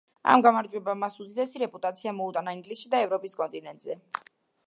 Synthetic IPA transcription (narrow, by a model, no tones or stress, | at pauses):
a̰mɡamaɾd͡ʒwɛbamasud̪id̪ɛsiɾɛpʼut̪ʼat̪sʰiamɔut̪ʼanaiŋɡlisʃid̪aɛvɾɔpʼiskʼɔnt̪ʼinɛnt̪ʼzɛ